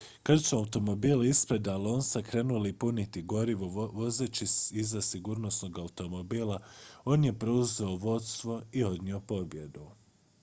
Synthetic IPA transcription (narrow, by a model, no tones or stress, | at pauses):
kaɾt͡ʃoaut̪o̞mo̞biːlispɾed̪alo̞ːnsakɾe̞ːnulipunit̪iɡo̞ɾiʋoʋo̞zet͡ɕisizasiɡuːɾno̞sno̞ɡaut̪o̞mo̞biːlˠao̞ːnje̞pɾo̞uze̞oʋo̞t̪st̪ʋo̞io̞d̪nio̞po̞bje̞d̪u